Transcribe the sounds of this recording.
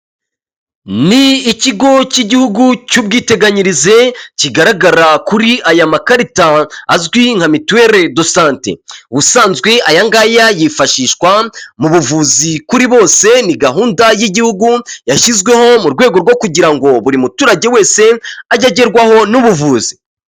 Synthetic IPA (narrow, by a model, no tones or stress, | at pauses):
niːciɡo̞ciɟihuɡucub̚ɡiːte̞ɡaɲiɾize̞ciɡaɾaɡaɾakuɾiʔajamakaɾitaːzɡwiŋ̥hamituwe̞ɾe̞do̞saːnte̞̰βusaːnzɡwe̞ajaŋɡajajifaʃiːʃwamuβuvuːzikuɾiβo̞ːse̞niɡaɦuːndajiɟihuɡujaʃizɡwe̞ho̞muɾɡwe̞ːɡo̞ɾɡwo̞kuɟiɾaŋɡo̞βuɾimutuːɾaɟe̞we̞ːse̞aɟaɟeɾɡwaho̞nuβuvuːzi̥